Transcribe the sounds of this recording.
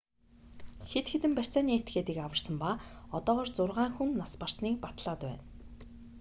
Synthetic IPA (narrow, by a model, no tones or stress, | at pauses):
xet̪xĕt̪ɘ̆mpær̥ʲsæːniːet̪ɡeːt̪iːkawə̆rsə̆mpaːɔt̪ɔːʁɔːrt͡sʊrʁaːŋxunːaspar̥sniːk̚pat̪ɮaːt̪pæ̰ːn